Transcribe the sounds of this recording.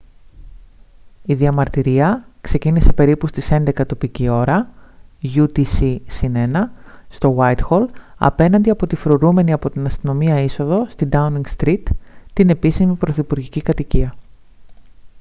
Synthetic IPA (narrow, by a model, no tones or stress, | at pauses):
iðiɐmɐɾt̪iɾiɐkse̞cinise̞pe̞ɾipust̪ise̞nd̪e̞kɐt̪o̞picio̞ɾɐ | ʝut̪isisine̞nɐst̪o̞wajt̪xo̞lɐ̰pe̞nɐnd̪iɐpo̞t̪ifɾoɾume̞niɐpo̞t̪inɐst̪ino̞miɐiso̞ðo̞st̪ind̪ɐuniŋɡst̪ɾit̪ːine̞pisimipɾo̞θipuɾʝicikɐt̪iciɐ